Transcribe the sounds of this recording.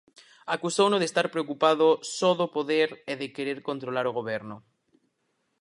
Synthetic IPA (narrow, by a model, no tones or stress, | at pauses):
akusownoð̞est̪aɾpɾeokupaðosɔðopoðeɾeðekeɾeɾkont̪ɾolaɾoɣ̞oβ̞ɛɾno